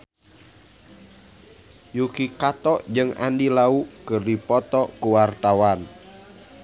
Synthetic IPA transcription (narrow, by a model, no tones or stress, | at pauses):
jukikat̪ɔʔd͡ʒɨŋa̰ndilaukɨrdipɔt̪ɔkuwart̪awan